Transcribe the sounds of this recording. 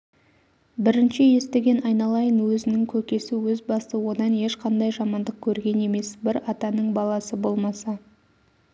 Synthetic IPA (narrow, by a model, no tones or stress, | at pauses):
bɪɾɪnʃɪje̞st̪e̞ɡʲe̞nɑjnɑlˠɑjənwɵzɪnɪŋkʲʰɵkʲe̞sɪwɵzbɑst̪əwo̞d̪ɑne̞ʃqʰɑnd̪ɑjʒɑmɑnd̪əq̚kʲʰɵɾɡʲe̞ne̞me̞sbɪɾɑt̪ɑnəɴbɑlˠɑsəbo̞lˠmɑsɑ